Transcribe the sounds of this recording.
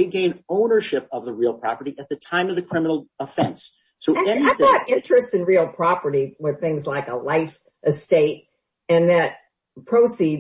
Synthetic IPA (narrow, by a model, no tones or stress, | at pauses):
eɪɡẽɪ̃nõʊ̃nə˞ʃɪp̚ʌvðəɹilˠpʰɹ̥ɑ̰pə˞ɾiʔɨt̪̚ðɨtʰãɪ̃mʌvðɨkʰɹ̥ɪmənl̩ˠəfɛ̰̃ns | soʊɨ̃aɪɑɾɪ̃nt͡ʃɹ̥ɨstsɨ̃nɹilˠpʰɹ̥ɑpə˞ɾiwɨð̥θɪ̃ŋzlaɪkə̰laɪf | ʔɨsteɪɾ | ɨ̃nðɨt̚ | pʰɹ̥oʊsi